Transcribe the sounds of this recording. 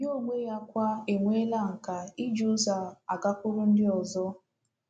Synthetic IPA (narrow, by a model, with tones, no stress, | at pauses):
jo˦˨mʷe˦ja˦kʷa˦e˨ŋʷe˦la˦˨ŋ̩˨ka˨i˦d͡ʒu˦za˨a̰˨ka˦kʷu˦ɾu˦n̩˦dɪ˦ɔ˨zɔ˦